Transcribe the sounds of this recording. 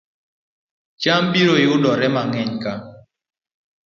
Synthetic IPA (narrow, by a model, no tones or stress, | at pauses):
t͡ʃambiɾoɪʊdɔɾɛmaŋɛɲka